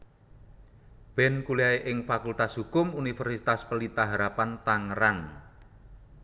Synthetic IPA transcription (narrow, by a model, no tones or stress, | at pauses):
b̥ɛnkuliaeʔɪŋfakult̪asɦukʊmunifɛrsit̪aspəlit̪aɦaɾapant̪aŋəɾan